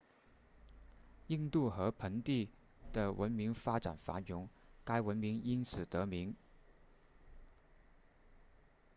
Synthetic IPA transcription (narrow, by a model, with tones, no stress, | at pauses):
i˥˧ŋt̪u˥˩xɤ˧˥pʰə˧˥ŋt̪i˥˩ | d̪̥ə˩wʔə˧˥nmi˧˥ŋfa˥ʈ͡ʂa̰˨˩nfa̰˧˥jʊ˧˥ŋka˥ɪwə˧˥nmi˧˥ŋi˥nsɹ̩˨˩t̪ɤ˧˥mi˧˥ŋ